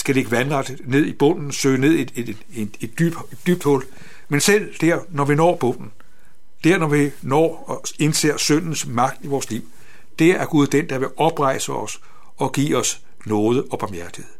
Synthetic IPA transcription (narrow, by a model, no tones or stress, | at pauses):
sɡ̥æle̝ɡ̥əʋænʁɑ̈d̥ | ne̝ð̞̰ˠib̥ɔ̽n̰n̩søːne̝ð̞̰ˠi | ed̥yb̥ | ed̥yb̥̚d̥hɔ̽l̰ | mensel̰d̥æɐ̰nɒʋinɒ̰ːb̥ɔ̽n̰n̩ | d̥æɐ̰nɒʋinɒ̰ː | e̝nse̝ɐ̰sœn̰n̩smɑ̈ɡ̥d̥iʋɒːsliʊ̰ | d̥eæɐɡ̥uð̞ˠd̥end̥ɑ̈ʋe̝ɒ̽b̥ʁɑ̈ɪ̰səɒ̽s | ɒ̽ɡ̥ḭːɒ̽s | nɔːð̞ˠəʔɒ̽b̥ɑ̈mjæɐd̥iheð̩ˠ